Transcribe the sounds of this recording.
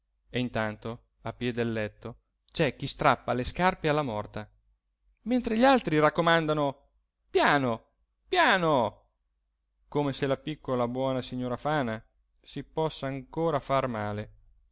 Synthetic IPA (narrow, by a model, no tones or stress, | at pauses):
eint̪ant̪o | apːjɛd̪elːɛt̪ːo | t͡ʃɛk̟ːist̪ɾapːaleskarpealːamɔrt̪a | ment̪ɾeʎalt̪ɾirakːomand̪ano | pjaːno | pjaːno | komeselapikːolabwɔːnasiɲːoːɾafaːna | sipɔsːaːŋkoːɾafarmaːle